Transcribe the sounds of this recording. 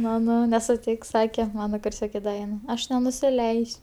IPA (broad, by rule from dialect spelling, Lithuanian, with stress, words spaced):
mɐˈnɐʊ nʲɛsʊˈtʲɪks ˈsɑːkʲɛ ˈmɑːnɐ kʊrʲˈsʲoːkʲɛ ˈdɐ ʋʲiɛn ɐʃ nʲɛnʊsʲɪˈlʲɛɪsʲ